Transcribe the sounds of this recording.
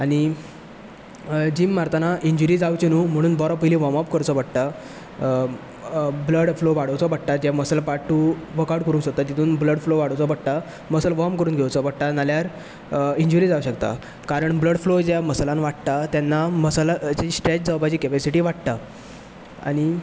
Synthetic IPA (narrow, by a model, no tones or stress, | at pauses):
aɽ̃i | d͡ʑiːmːaɾt̪anaʔiɲd͡ʑuɾiːd͡zawt͡ɕenum̤əɽ̃ũːnbɔɾɔpəiliːʋɔmapkəɾt͡sɔʋaɽt̪a | bləɽfloʋaɽ̤əwt͡sɔbaɽ̚t̪ad͡ʑaməslapaʈːuːʋəkaɽkəɾuːnsot̪ːad͡ʑit̪ʰuːnbləɽfloʋaɽəwt͡sɔpəɽt̪a | məslʋɔmkəɾuːnɡʱewt͡sɔpəɽt̪analjaɾ | iɲd͡ʑuɾid͡zauɕəkt̪a̰ | kaɾəɳbləɽflod͡ʑaməslãnʋaʈt̪at̪janːaməslat͡ɕisʈɾet͡ɕd͡zawpat͡ɕiːkɛpesiʈiːʋaʈt̪a | a̰ɽ̃i